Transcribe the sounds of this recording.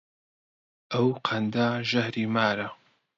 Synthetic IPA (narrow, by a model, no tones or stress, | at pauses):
ʔɐwqʰɐnd̪aːʒɐhɾiːmaːɾɐ